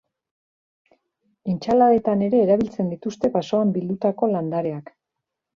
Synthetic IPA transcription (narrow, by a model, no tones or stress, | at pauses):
ent͡ʃalae̞t̪ane̞ɾe̞ːɾaβ̞ilt͡se̞nd̪it̪ust̪e̞paso̞ambild̪ut̪ako̞land̪aɾe̞ak